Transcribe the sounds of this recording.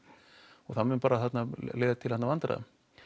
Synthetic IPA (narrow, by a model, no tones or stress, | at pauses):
ɔɣθanmʏnpaːɾaθat̪naleːðat̪ʰɪlhat̪navant̪ɾa̰ð̰